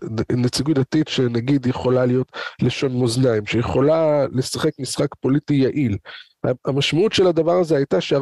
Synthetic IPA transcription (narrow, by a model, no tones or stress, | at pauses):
net͡siɡutdatitʃenaɡid̪jeχo̞lalijo̞tleʃo̞nmoznaimʃejeχo̞lale̞saχe̞kmisχakpo̞litijaʔil | a̰amaʃmautʃe̞ladavaʁazeajtaʃea